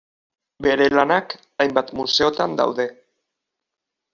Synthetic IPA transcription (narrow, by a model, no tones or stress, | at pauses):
be̞ɾe̞lanak | ajmbat̪muse̞o̞t̪and̪a̰wðe̞